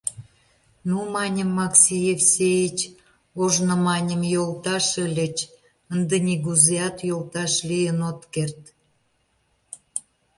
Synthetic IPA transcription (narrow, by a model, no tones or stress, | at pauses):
numɑnʲəmːɑksʲijefsʲejit͡ɕ | oʒnŏmɑnʲəmjolt̪ɑʃəlʲə̆t͡ɕ | ənd̪enʲiɣuzeɑt̪jolˠt̪ɑʃlijənot̪kert̪